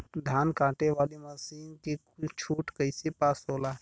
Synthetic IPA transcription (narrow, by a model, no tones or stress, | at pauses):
d̪ʱaːnkãːʈeʋaːliməsiːnki | t͡ʃʰuːʈkəɪsipaːsɦoːlaː